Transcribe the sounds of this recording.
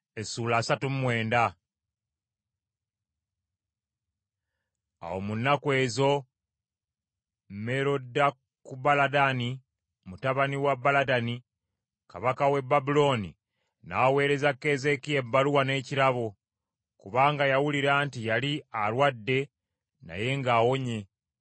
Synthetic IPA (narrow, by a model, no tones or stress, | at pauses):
esuːlaːsatummwe̞ːnda | a̰wo̞munːakwe̞ːzo̞ | mme̞ɾo̞dːa | kubaladani | mutaβaniwabːaladani | kaβakawe̞bːabulo̞nḭ | nawe̞ːɾe̞zake̞ze̞kiembaluwane̞ːciɾaβo̞ | kuβaːŋɡajawuliɾaːntijalialwadːe̞ | na̰je̞ŋɡaːwo̞ɲe̞